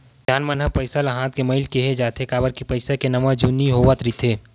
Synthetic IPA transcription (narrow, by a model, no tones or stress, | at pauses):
d̪ʱjaːnmənɦəpɐɪsalaɦãːt̪kemɐɪlkeɦed͡ʒaːt̪ʰekaːbəɾkipɐɪsakenɐmə̃d͡ʒunːiɦoʋət̪ɾit̪ʰeː